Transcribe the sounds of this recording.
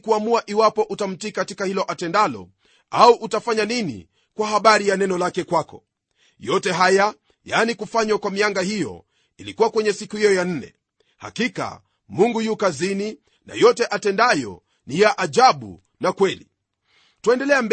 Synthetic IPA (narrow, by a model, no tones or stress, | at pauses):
kuamuaʔiwapɔʔutam̩tikatikahilɔʔatɛndalɔ̰ | auʔutafaɲaninḭ | kwahaɓaɾijanɛnɔlakɛkwakɔ | jɔtɛɦaja | janikufaɲwakwamiaŋɡahijɔ̰ | ilikuwakwɛɲɛsikuhijɔjan̩nɛ̰ | ha̰kika̰ | muŋɡujukazini | na̰jɔtɛʔatɛndajɔ̰ | nijaʔaʄaɓṵ | nakwɛlḭ | twɛndɛlɛamb